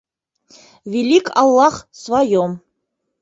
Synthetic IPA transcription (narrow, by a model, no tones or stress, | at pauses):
vʲelikʰʼɑ̰lˠːaχsvajom